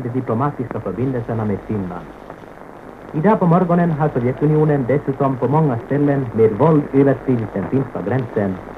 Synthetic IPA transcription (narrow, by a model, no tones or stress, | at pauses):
d̪ɛd̪ɪplʊmɑːt̪ɪskafœɾbɪnd̪əlsəɳameːd̪fɪnla̰n | ɪd̪ɑːpɔmɔɾɡɔnənɦɑʂɔʋjɛt̪ːʉnɪuːnənd̪ɛsʉːt̪ɔmpʰɔmɔŋːast̪ɛlːənmeːd̪vɔld̪øːʋəʂkɾiːʋɪt̪̚d̪ɛnfɪnskaɡɾɛnsən